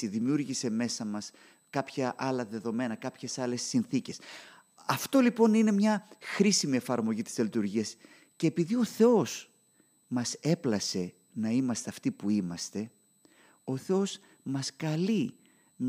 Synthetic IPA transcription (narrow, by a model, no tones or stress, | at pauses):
iðimiuɾʝise̞me̞sɐmɐs | kɐpçɐʔɐlɐðe̞ðo̞me̞nɐkɐpçe̞sɐle̞sːinθice̞s | ɐft̪o̞lipo̞nine̞mɲɐxɾisimie̞fɐɾmo̞ʝit̪iselit̪uɾʝiɐs | ce̞ːpiðio̞θe̞o̞s | mɐse̞plɐse̞ | nɐimɐst̪e̞ɐft̪ipuimɐst̪e̞ | o̞θe̞o̞s | mɐskɐli | n